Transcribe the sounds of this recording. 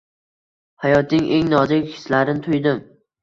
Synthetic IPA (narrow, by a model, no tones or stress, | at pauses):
hajɒt̪̚nɪŋʔeŋnɒzɪkʲhɪ̥slaɾɪnɪt̪ʰʊjd̪ɪm